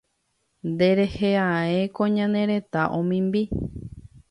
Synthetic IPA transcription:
nd̪e̞ɾe̞heaekõɲãnẽɾe̞t̪aʔõmĩmbi

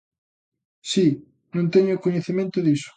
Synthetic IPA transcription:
si | nõnt̪eɲʊkoɲeθimẽnt̪ʊðisʊ̥

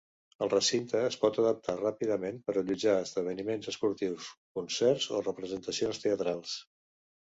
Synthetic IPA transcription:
əlˠrəsint̪əːspɔt̪əðəp̚t̪arapiðəmenpəɾəʎud͡ʒaəzðəβ̞ənimenzəspuɾt̪iwskunsɛrzo̰rəpɾəzənt̪əsionst̪eət̪ɾalˠs

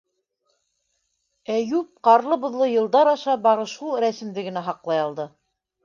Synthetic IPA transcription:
æjʉp̚qɑɾlˠɤbŏðlˠɤjɤ̆lˠd̪ɑɾɑʃɑbɑɾɤ̆ʃuɾæsɘ̆md̪ɘɡɘ̆næɦɑqlˠɑjɑlˠd̪ɤ

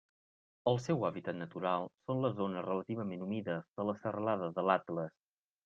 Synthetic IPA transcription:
əlˠsɛwaβit̪ət̪nət̪uɾalˠsonləzonərələt̪iβ̞əmenumiðəzðələsərəlaðəðəlat̪ləs

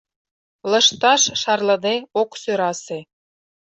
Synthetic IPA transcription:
lɤ̆ʃt̪ɑʃʃɑrlɤ̆d̪eoksøɾɑse

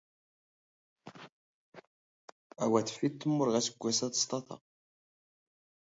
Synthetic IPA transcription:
æwæθfit̪ːəmːʊɾʁæsəɡʷːæsæðə̥st̪ˤɑθɑ̰

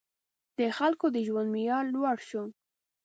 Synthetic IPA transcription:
d̪̥əxalkod̪əʒwand̪mijɑlːwaɽʃu

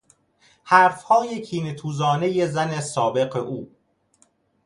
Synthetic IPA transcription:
hæɾfhɒːjecʰiːnet̪ʰuːzɒːne̞je̞zænesɒːbe̞ɢeʔuː

